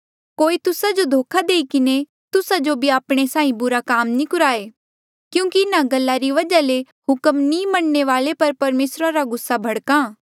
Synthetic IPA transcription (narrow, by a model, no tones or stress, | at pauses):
koːit̪ʊsad͡ʒod̪ʱoːkʰad̪eːikɪne | t̪ʊsad͡ʒobʱiaːpɽ̃esãːĩbʊɾakaːmnĩkʊɾaːeː | kjũːkiɪnaɡɐlːaɾiʋɐd͡ʒale | ɦʊkəmnĩmɐɳneʋaːlepɐɾpɐɾmeːsɾaɾaɡʊsːabʱɐɽkãː